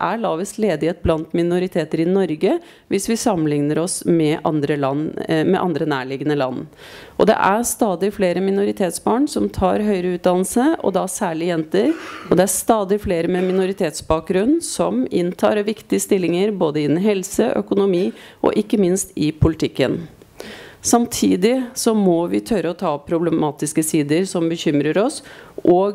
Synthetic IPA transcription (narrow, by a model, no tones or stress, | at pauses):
ʔæɭɑːʋɪsleːd̪ɪheːt̪̚blɑnt̪mɪnʊɾɪt̪ʰeːt̪əɾɪnɔɾɡə | ʋɪsʋɪsɑmːənlɪŋnəɾɔsmɛʔɑ̰nd̪ɾəlɑnmɛ̰ʔɑnd̪ɾənæːɭɪɡənəlɑ̰n | ʔɔ̰d̪ɛ̰ʔæst̪ɑːd̪ɪfleːɾəmɪnʊɾɪt̪ʰeːt̪sbɑːɳsɔmt̪ʰɑːɾɦœʏɾəʉːt̪̚d̪ɑnl̩səʔɔ̰d̪ɑsæːɭɪjɛnt̪əɾɔd̪ɛæst̪ɑːd̪ɪfleːɾəmɛmɪnʊɾɪt̪ʰeːt̪sbɑːk̚ɡɾʉnːsɔmɪnt̪ʰɑ̰ːɾɔʋɪkt̪ɪəst̪ɪlːɪŋəɾboːd̪əɪnːɦɛlsəʔœ̰kʊnʊmiːʔɔ̰ʔɪkːəmɪnst̪ɪpʰʊlɪt̪ʰɪkːə̰n | sɑmt̪ʰiːd̪ɪsɔmɔʋɪt̪ʰœɾəɔt̪ʰɑːpʰɾʊbləmɑːt̪ɪskəsiːd̪əɾsɔmbəçʏmɾəɾɔsʔɔːɡ